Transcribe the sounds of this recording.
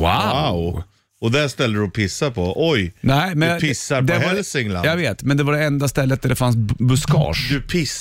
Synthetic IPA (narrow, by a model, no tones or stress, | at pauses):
aaʊ | ɔd̪æʂt̪ɛld̪əɾɔpʰɪsːapʰɔʔɔjnɛɪmɛnpɪsːaɾd̪ɛhɛlsɪŋla̰jɑɡveːt̪mɛnd̪ɛvaɖɛɛnd̪ast̪ɛlːət̪̚d̪æɖɛfans̬bɵskɑ̰ːʂd̪ɵpʰɪs